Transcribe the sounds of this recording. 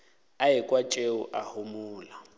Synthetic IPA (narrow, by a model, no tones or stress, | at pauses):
aikʼwat͡ʃʼeṵʔahumuːla